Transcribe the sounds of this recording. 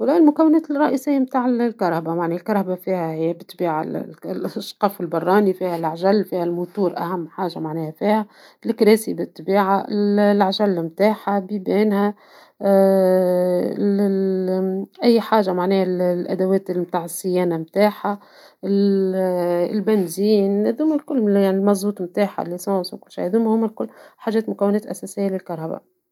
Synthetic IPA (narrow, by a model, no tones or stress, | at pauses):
wlæːʔɪlmʊkæwːɪnæːt̪ɪˤɑʔisɪjːamt̪aːʕɪllkɑɾˤhbamaʕnilkɑɾˤhabafiːhæhɪjːæbɪt̪ːbiːʕa̰llʔɑʃqɑːfɪlbɑrˤːɑːnifiːhælʕʒælːfiːhælmʊt̪uːɾʔæ̰hæmːħaːʒamaʕnɛːhæfiːhæ | lɪkɾæːsibɪt̪ːbiːʕaɪllʕaʒælːmt̪aːħabibæːnhæ | ʔæjːħaːʒamaʕnɛːhallʔæ̰d̪æwɛːt̪lmt̪aːʕɪsːɪjɛːnamt̪aːħa | ɪ | ɪlbænziːnhæðuːmælkʊlːjaʕnilmɑzˤuːt̪ˤmt̪aːħa̰lːisɑswkʊlːʃḭhæðuːmhʊmːælkʊlːħaːʒɛːt̪mʊkæwːɪnɛːt̪ʔæsɛsɪjːalɪlkɑɾˤɑba̰